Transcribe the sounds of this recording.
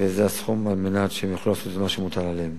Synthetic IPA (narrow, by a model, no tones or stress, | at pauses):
vezeasχumalmenat̪ʃeemjaχolulaːsot̪maʃemut̪alaleem